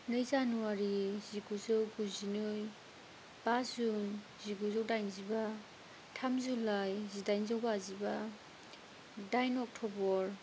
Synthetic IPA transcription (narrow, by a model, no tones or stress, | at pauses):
nɯjzanuwaɾiziɡuzɯwɡuzinɯj | b̥azun | ziɡuzɯwdajnziba | tʰamzulajzidajnzawbaziba | dajnɔk̚tʰɔbɔɾ